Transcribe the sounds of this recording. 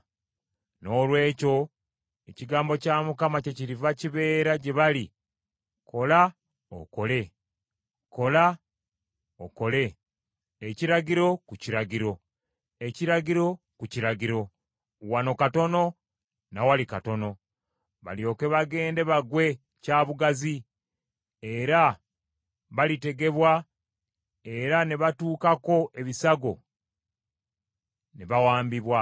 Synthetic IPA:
no̞ːlwe̞ːco̞ | eciɡaːmbo̞camukamace̞ciɾivaciβe̞ːɾaɟeβali | kʰo̞la | o̰ko̞le̞ | ko̞la | o̰ko̞le̞ | eciɾaɡiɾo̞kuciɾaɡiɾo̞ | eciɾaɡiɾo̞ | kuciɾaɡiɾo̞ | wano̞kato̞no̞ | nawalikato̞no̞ | βa̰ljo̞ːke̞βaɡe̞ːnde̞βaɡwe̞ | caːβuɡazi | e̞ɾa | βalite̞ɡe̞βwa | e̞ɾane̞βatuːkako̞ʔe̞βisaɡo̞ | neβawaːmbiβwa

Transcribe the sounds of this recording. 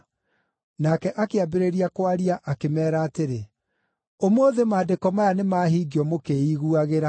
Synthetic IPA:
nakɛʔakeabeɾeɾiakwaɾiaʔakemɛːɾaːteɾe | omoːðemaːdekɔmajanemaːɦiːɡiɔmokeiɣuaɣeɾa

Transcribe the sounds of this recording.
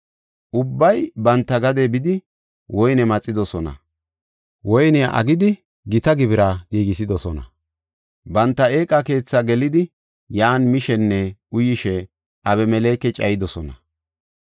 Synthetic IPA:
ʔʊbːɐjbɐnt̪ːɐɡɐd̪ebɪd̪ɪ | wɔjnɛmɐt͡sʼːɪd̪ɔsɔnɐ̰ | wɔjnɪaʔɐ̰ɡɪd̪ɪ | ɡɪt̪ɐɡɪbɪɾaːɡiːɡɪsɪd̪ɔsɔnɐ̰ | bɐnt̪ːɐe̞ːkʼːɐke̞ːt͡sːɐɡɛlɪd̪ɪ | jaːnmɪʃɛnːɛʊjɪʃɛ | ʔɐβɛmɛle̞ːkːɛt͡ʃʼɐjɪd̪ɔsɔnɐ

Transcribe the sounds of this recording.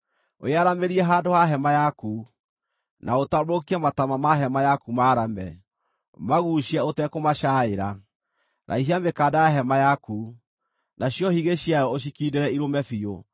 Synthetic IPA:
o̰jaɾameɾiɛɦaːdohaɦɛmajaku | nʔaotamokiamatamamaɦɛmajakumaːɾamɛ | maɣuːʃiɛotɛkomaʃaeɾa | nʔa̰iɦiamekaːdajaɦɛmajaku | naɕjɔhiɣeɕjajɔoɕ̬ikiːdeɾɛiɾomɛfio

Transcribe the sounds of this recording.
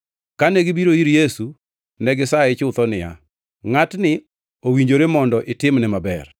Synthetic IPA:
kanɛɡɪbiɾoiɾjesu | nɛɡɪsaɛt͡ʃʊt̪ɔnɪja̰ | ŋatnɪ | owiɲd͡ʒoɾemɔndɔʔɪtɪmnɛmabɛr

